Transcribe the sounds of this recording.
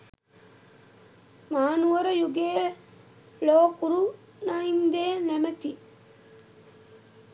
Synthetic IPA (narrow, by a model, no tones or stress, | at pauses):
maːnuʋɐɾɐjuɡeː | loːkuɾu | naind̪eːnæmɐt̪i